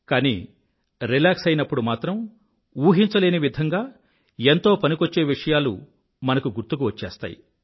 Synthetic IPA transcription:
kaːnḭ | ɾilaːksɐjnɐpːuɽumaːt̪ɾɐm | uːɦiɲt͡ʃɐleːniʋid̪ʱɐŋɡaː | ent̪o̞ːpɐnikot͡ʃːe̞ːʋiʂɐjaːlṵ | mɐnɐkuɡuɾt̪uk̬uʋɐt͡ʃːeːst̪a̰ːjḭ

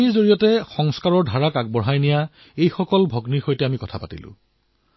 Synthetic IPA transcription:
iɹzoɹijɔtɛxɔŋskaɹɔɹdʱaɹakaɡ̚bɔɹɦajnija | ejxɔkɔlbʱoɡnixojtɛamikɔtʰapatḭlʊ̰̃

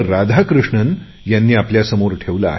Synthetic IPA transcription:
ɾad̪ʱakɾuʂɳən | janːiːapljasəmoɾʈʰeʋla̰ː

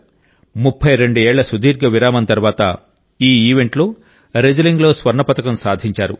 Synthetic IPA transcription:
mupʰːɐjɾe̞ɳɖuɛːɭːɐsud̪iːɾɡɐʋiɾaːmɐnt̪ɐɾʋaːt̪ɐ̰ | iːiːʋe̞ɳʈloː | ɾed͡ʒɐliŋɡlo̞ːsʋɐɾɳɐpɐt̪ɐkɐmsaːd̪ʱiɲt͡ʃaːɾṵ

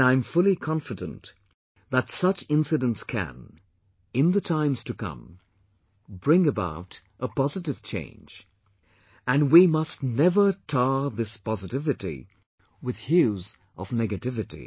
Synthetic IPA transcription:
ãɪ̃ɱfʊlˠikʰɑ̃ɱfɨdə̃n | ðətsʌt͡ʃɪ̃nsɨɾə̃ntskʰɨ̰̃n | ɨ̃nðɨtʰãɪ̃mz̥tʰɨkʰʌ̰̃m | bɹɪ̃ŋɨba̰ʊɾ | ʔəpɑzɨɾɨv̥t͡ʃʰḛ̃ɪ̃nd͡ʒ | ɨ̃nwimʌstⁿnɛvə˞tʰɑɹðɪspɑzɨtɪvɨɾḭ | wɨð̥hjʉz | ʔʌ̰vnɛɡɨtɪvɨɾḭ

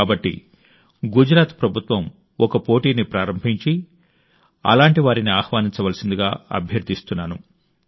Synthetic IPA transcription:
aːbɐʈːḭ | ɡud͡ʒɾaːt̪pɾɐbʱut̪ʋɐm | ɔkɐpo̞ːʈiːnipɾaːɾɐmbʱiɲt͡ʃi | ɐ̰laːɳʈiʋaːɾiniaːxʋaːniɲt͡ʃɐʋɐlɐsind̪uɡaːɐ̰bʱjɐɾd̪ʱist̪unːaːnu

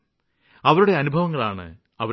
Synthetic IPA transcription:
ɐʋɐɾuɽe̞ɐnubʱɐʋɐŋːɐɭaːɳɨ̰ | ɐʋɐ

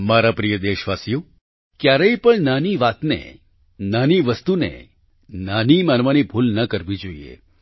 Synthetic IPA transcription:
maɾapɾijəd̪eʃʋasijo | kjaɾəipəɳnaniʋat̪nḛ | naniʋəst̪unḛ | nanimanʋanibʱulnəkəɾʋid͡ʒoiḛ

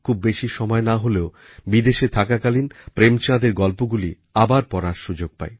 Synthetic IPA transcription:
kʰubːeʃiʃɔmɔenaɦoleo | bid̪eʃet̪ʰakakalinpɾemt͡ɕãd̪eɾɡɔlpoɡuli | abaɾpɔɾaɾʃud͡ʑoɡ̚pa̰e

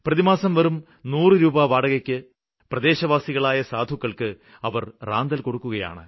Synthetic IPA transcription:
prɐðimaːsɐmʋɐrum | nuːrɨɾuːbaʋaːɽɐɣɐkʲːɨ | prɐd̪e̞ːɕɐʋaːsiɣɐɭaːjɐsaːd̪ʱukːɐɭkɨ | ɐʋɐrraːnd̪ɐlko̞ɽukːuɣɐja̰ːɳɨ̰

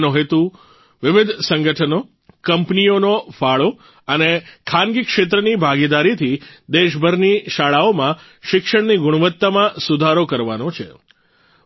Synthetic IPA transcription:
noɦet̪u | ʋɪʋɪd̪ʱsəŋɡəʈʰəno | kəmpnijonofaɭo | ənekʰanɡikʃet̪̬ɾənibʱaɡid̪aɾit̪ʰid̪eʃbʱəɾniʃaɭaomã | ʃɪkʃəɽniɡʊɽ̃ʋət̪ːamãsud̪ʱaɾokəɾʋanot͡ʃʰe

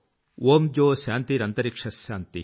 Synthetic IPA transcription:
ʔoːmd͡ʒoːɕaːnt̪iɾɐnt̪ɐɾikʂɐsjaːnt̪i

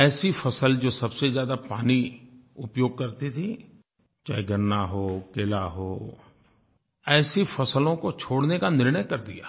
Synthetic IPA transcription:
ɛːsifʰɐsəld͡ʒoːsɐbsezjaːd̪apaːniʊpjoːɡ̚kɐɾt̪it̪ʰi | t͡ʃa̰ːiɡɐnːaɦoːkeːlaɦoː | ɛːsifɐsəlõkot͡ʃʰoːɽnekanɪɾɳəjkɐɾd̪ḭja̰ː

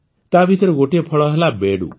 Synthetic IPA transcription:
t̪abʱit̪ɔɾɔɡoʈiepʰɔɭɔɦelabeɽṵ

